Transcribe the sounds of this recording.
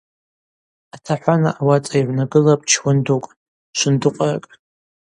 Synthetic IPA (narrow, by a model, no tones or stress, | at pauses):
atʰaħʷᶣana̰ʔawat͡sʼajʕʷnaɡɨlapʼt͡ʃʰwʊndokʼ | ʃʷɨndɨqʷʼara̰kʼ